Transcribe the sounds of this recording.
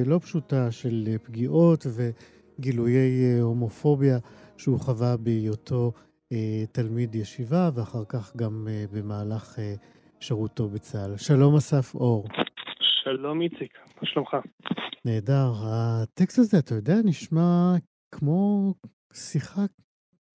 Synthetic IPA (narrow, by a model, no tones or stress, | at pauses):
lo̞pʃutaʃe̞lepɡiʔo̞tve̞ | ɡiluje̞jho̞mo̞fo̞bjaʃeuχavabejotʰo̞ | talmidjeʃivaveaχaʁkaχɡambe̞maːlaχe | ʃeʁuto̞bet͡salʃalo̞masafo̞ʁʃalo̞mit͡sik | aʃlomχane̞ːdaʁat̪ekstazeatajo̞deaniʃma | kʰmo̞ | siχa